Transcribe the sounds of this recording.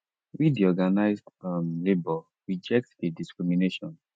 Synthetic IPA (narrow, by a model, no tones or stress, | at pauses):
widiɔɡanaɪzdamlebɔ | ɹid͡ʒɛk̚tdediskɹimineʃɔ̰̃n